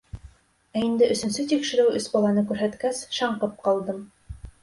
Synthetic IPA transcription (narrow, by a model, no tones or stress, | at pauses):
æind̪ɘʔɵ̆sɵ̆nsɵt̪ikʃɘ̆ɾɘwʔɵsbɑlˠɑnɤkʉɾɦæt̪kæsʃɑɴqɤp̚qɑlˠd̪ɤm